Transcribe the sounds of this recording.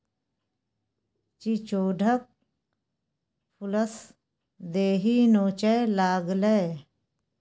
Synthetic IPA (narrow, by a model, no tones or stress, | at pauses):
t͡ʃit͡ʃoːɖʱək̚ | pʰuləs | d̪eːɦinoːt͡ʃeːlaːɡle